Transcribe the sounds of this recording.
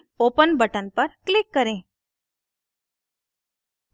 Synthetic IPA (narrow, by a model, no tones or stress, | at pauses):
opənbəʈənpəɾklɪkːəɾẽ